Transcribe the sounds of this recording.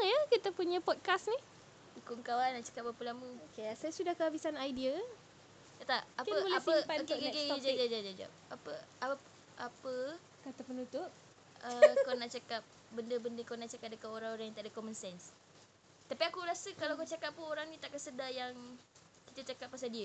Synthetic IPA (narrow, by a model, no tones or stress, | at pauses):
jəkit̪əpuɲə̃pɔt̪̚kasnĩ | ikuʔŋkawanaʔt͡ʃḁkap̚bapəlaməokeasajasudahkəɦabisanajdia | t̪at̪aʔaəapəokkeked͡ʒad͡ʒad͡ʒad͡ʒad͡ʒa̰p̚apəa | ʔapə | kat̪apənut̪ʊp̚ | əkanaʔt͡ʃakap̚ | bəndəbəndəkanaʔt͡ʃakap̚dəkaoɾãŋoɾaŋjaŋt̪aʔdəkomənsɛns | t̪apiakuɾasəkalawkot͡ʃakap̚pːunoɾaŋnĩt̪aʔkasədajaŋ | kit̪at͡ʃakap̚ːasadiə